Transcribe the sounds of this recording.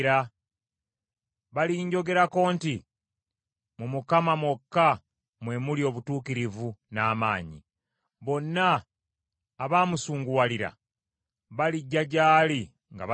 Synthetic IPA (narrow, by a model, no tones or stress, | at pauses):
ɾa | βaliɲɟo̞ɡe̞ɾako̞ːnti | mumukamamwokːa | mwe̞mulio̞ːβutuːkiɾivunaːmaːɲḭ | βo̞nːaː | βaːmusuːŋɡuwaliɾa̰ | βaliɟːaɟaːli | ŋɡa̰β